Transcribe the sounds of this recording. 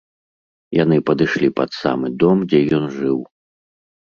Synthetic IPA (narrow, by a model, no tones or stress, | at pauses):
jan̪ɨpɐd̪ɨʂlʲipɐt̪sa̰mɨd̪ɔmd͡zʲɛjɔnʐɨw